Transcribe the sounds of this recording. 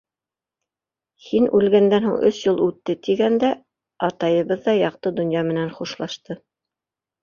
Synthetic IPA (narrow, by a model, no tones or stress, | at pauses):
hinʉlɡænd̪ænhuɴʔɵ̰sjulˠʉt̪ːɘt̪iɡænd̪æ | ɑt̪ɑjɤ̆βɤðːɑjɑq̚t̪ɤd̪ŏnjɑmɘ̆nænχuʃlˠɑʃt̪ɤ